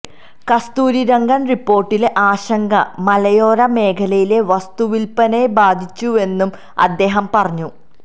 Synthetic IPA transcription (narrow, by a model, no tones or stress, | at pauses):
kɐst̪uːɾiɾɐŋɡɐnripːo̞ːrʈːileʔaːɕɐŋɡɐmɐlɐjoːɾɐme̞ːkʰɐlɐjile̞ʋɐst̪uʋilpɐnebaːd̪ʱit͡ɕːue̞nːum | ɐ̰d̪ːe̞ːɦɐmpɐrɐɲːu